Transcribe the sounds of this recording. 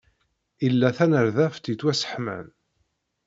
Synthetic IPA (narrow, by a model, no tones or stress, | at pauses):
ilːæθænəɾðæft̪it͡sːwæsə̥ħmæ̰n